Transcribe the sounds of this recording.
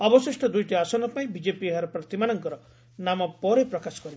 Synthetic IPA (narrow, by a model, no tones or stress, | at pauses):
ɔbɔsisʈɔd̪ujʈiasɔnɔpaĩbid͡ʒepieɦaɾɔpɾɔt̪imanɔŋkɔɾɔ | namɔpɔɾepɾɔkasɔ̥kɔɾib